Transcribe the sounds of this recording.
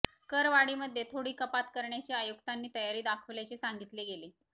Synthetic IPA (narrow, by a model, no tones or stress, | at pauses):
kəɾʋaɽiːməd̪ʱːjet̪ʰoɽiːkəpat̪kəɾɳjat͡ɕiːajukt̪anːiːt̪əjaɾiːd̪akʰəʋljat͡ɕesaŋɡit̪leɡeleː